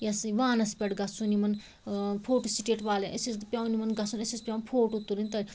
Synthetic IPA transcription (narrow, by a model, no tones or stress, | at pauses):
jɐsʋaːnɐspʲɐɽɡɐsunimɐn | pʰoːʈusiʈeʈʋaːleʔɐsisd̪pʲawnimɐnɡɐsunɐsispʲjawnpʰoːʈut̪ːulinʲt̪ɐɾʲ